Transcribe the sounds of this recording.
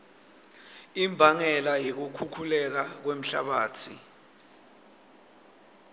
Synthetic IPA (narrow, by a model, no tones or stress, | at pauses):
imbʱaŋɛlajik̬ukʰukʰulɛk̬ak̬wem̩ɬa̰ɓaːtʰi